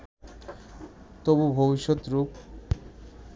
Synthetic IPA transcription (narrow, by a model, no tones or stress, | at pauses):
t̪obubʱobiʃot̪ɾup